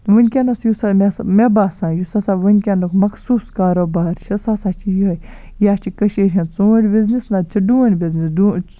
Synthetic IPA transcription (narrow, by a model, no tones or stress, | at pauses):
ʋɨnʲkʲɐnɐsjusamʲesmebaːsãːjusasaʋɨnʲkʲɐnukmɐksuːskaːɾoːbaːɾʃʰɐsasaːt͡ʃʰijiɐ | jaːt͡ʃʰikɐʃeɾʲɦɐ̃t͡soːɾʲbiznisnat͡ʃʰiɖuːnʲbiznisdu